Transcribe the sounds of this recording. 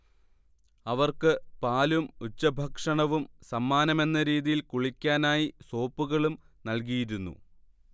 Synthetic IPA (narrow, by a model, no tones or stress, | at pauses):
ɐʋɐrkɨpaːlumut͡ɕːɐbʱɐkʂɐɳɐʋumsɐmːaːnɐme̞nːɐɾiːðijilkuɭikʲːaːnaːjiso̞ːpːuɣɐɭum | nɐlk̬ijiɾunːṵ